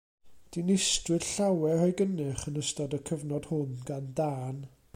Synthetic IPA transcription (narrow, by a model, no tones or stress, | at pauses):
d̥inɪstrɨd̥ɬawɛhɔjɡənɨχənəstɔdəkʰəvnɔd̥hʊnɡandaːn